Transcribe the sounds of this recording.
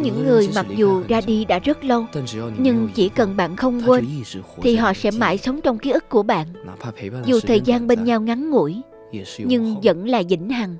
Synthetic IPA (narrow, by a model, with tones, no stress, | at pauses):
ɲɨ̰˧˥ŋːɨ˨˩əjma˨˩k̚zu˨˩zaː˧ɗi˧ɗa̰ː˧˥zə˦˥t̚lə˧wɲɨ˧ŋt͡ɕi˧˩kə˨˩nɓa̰ː˧˨nxə˧wŋ͡mkwe˧nt̪ʰi˨˩ɦɔ̰˧˨sɛ̰˧˥ma̰ː˧˨jsə˨˦wŋ͡mt͡ɕɔ˧wŋ͡mki˨˦˥ʔɨ˦˥kkːu˧˩əɓa̰ː˧˨n | zu˨˩t̪ʰəː˨˩jzaː˧nɓe˧nɲa˧wŋa˨˦nŋṵ˧˥j | ɲɨ˧ŋzə̰˧˥nlaː˨˩zḭ˧˥˩ŋ̟ha˨˩ŋ